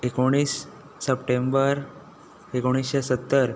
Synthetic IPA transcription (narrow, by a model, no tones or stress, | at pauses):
ekoɽ̃iːsː | əpʈẽmbəɾ | ekoɽ̃isɕasət̪ːəɾ